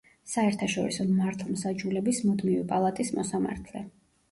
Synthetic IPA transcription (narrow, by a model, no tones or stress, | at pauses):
saɛɾt̪ʰaʃɔɾisɔmaɾt̪ʰlˠmsad͡ʒulɛbismud̪mivipʼalˠat̪ʼismɔsama̰ɾt̪ʰlɛ